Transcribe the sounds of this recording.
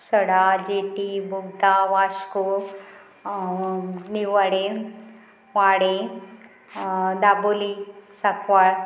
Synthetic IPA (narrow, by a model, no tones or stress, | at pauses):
səɽad͡ʒeʈibuɡd̪aʋaʃko | niʋaɽe | ʋaːɽẽ | d̪abolisakʰʋaɭ